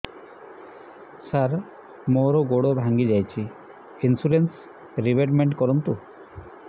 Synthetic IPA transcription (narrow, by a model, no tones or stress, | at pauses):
saɾ | moɾɔɡoɽobʱaŋɡid͡ʒajt͡ʃʰi | insuɾens | ɾibeʈmeɳʈkɔɾunt̪u